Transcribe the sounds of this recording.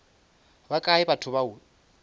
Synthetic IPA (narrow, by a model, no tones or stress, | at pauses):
bakʼaɛbatʰʊβau